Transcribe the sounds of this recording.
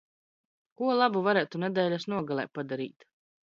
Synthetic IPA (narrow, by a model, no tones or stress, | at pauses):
kuɔlˠabuvaɾæːt̪unɛd̪ɛːlʲasnuɔɡalˠɛ̰ːpad̪aɾḭːt̪